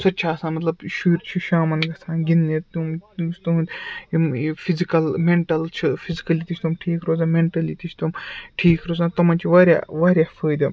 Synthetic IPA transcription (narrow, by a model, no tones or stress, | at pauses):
sɐt͡ʃʰaːsãːmɐt̪lɐbʃuːɾt͡ʃʰiʃaːmɐnɡɐsʰaːnɡinːit̪umsʰt̪uɦũnd̪ʲimfʰizikɐlmeɳʈɐlt͡ʃʰifʰizikɐlit̪it͡ʃʰt̪ʰumʈʰiːkɾoːzaːmeɳʈɐlit̪it͡ʃʰt̪umʈʰiːkʰɾoːzaːnt̪ɐmɐnt͡ʃʰiʋaːɾja̰ːʋaːɾʲjaːfəːd̪ɐ